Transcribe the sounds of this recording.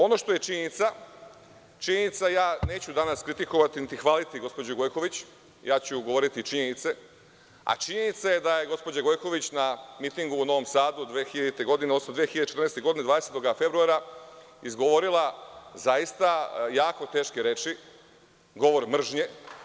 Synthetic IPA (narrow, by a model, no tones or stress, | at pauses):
o̞no̞ʃt̪o̞je̞t͡ʃiɲenit̪sa | t͡ʃiɲenit̪sajaːne̞ːt͡ɕud̪anaskɾit̪iko̞ʋat̪init̪ixʋalit̪iɡo̞spod͡ʑuɡo̞jko̞ʋit͡ɕ | jaːt͡ɕuɡo̞ʋo̞ɾit̪it͡ʃiɲenit̪se̞ | a̰t͡ʃiɲe̞nit̪saje̞d̪aje̞ɡo̞spod͡ʑaɡo̞jko̞ʋit͡ɕnamit̪iŋɡuːno̞ʋo̞msaːd̪ud̪ʋeːxiʎt̪e̞ɡo̞d̪ineosimd̪ʋeexiʎad̪et͡ʃet̪ɾrnest̪eɡo̞d̪ined̪ad̪eset̪o̞ɡafe̞bɾuaɾa | izɡoʋo̞ɾilˠazajist̪ajaːko̞t̪eːʃkeɾe̞t͡ʃi | ɡo̞ʋo̞ɾmr̩ʒɲe̞